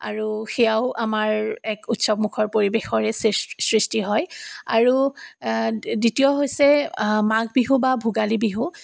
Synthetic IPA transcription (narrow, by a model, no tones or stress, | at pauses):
a̰ɹuxɛjaʊʔamaɹɛkutsɔbmukʰɔɹpoɹibexɔɹɛssɹistiɦɔja̰ɹu | ditijɔɦojsɛmaɡbiɦubabʱuɡalibiɦu